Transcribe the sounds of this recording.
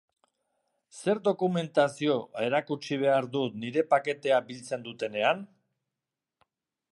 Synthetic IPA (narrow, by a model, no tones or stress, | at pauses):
se̞ɾd̪o̞kume̞nt̪asio̞e̞ɾakut͡ʃiβ̞e̞aɾd̪ut̪niɾe̞pake̞t̪e̞abilt͡se̞nd̪ut̪e̞ne̞an